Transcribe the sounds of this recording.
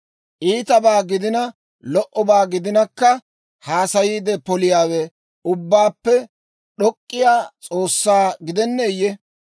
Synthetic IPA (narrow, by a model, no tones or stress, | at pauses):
ʔiːt̪ɐbaːɡɪd̪ɪnɐ | lɔʔɔbaːɡɪd̪ɪnɐkːɐ | haːsɐjiːd̪ɛpɔlɪjaːwɛ | ʊbːaːpːɛ | ɗɔkʼːɪjaːt͡sʼo̞ːsːaːɡɪd̪ɛnːeːjːɛ